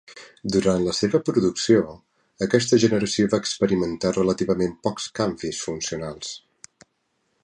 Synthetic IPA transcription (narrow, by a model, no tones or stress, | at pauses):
d̪uɾant̪ləseβəpɾuðuksio | əkɛs̬t̪əʒənəɾəsioβaəkspəɾimənt̪arələt̪iβəmempɔkskaɱfisfunsiunalˠs